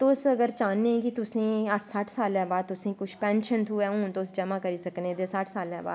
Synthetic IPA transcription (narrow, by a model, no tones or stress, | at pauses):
t̪ʊsəɡəɾt͡ʃaːnːẽːkit̪ʊsẽːəʈʰsəʈʰsaːlɛ̃ːbaːd̪̚t̪ʊsĩːkʊt͡ʃʰpɛ̃ːnʃənt̪ʰuːɛːũːnt̪osd͡ʒəmãːkəɾiːsəknẽːd̪eːsəʈʰsaːlɛ̃ːba̰ːd̪